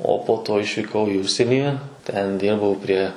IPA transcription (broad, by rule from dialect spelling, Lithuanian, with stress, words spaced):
oː poː ˈtoː ɪʃʲʋʲiːˈkɐʊ ɪ ˈʊʃʲsʲiɛnʲiː tʲɛn ˈdʲɪrbɐʊ pʲrʲiɛ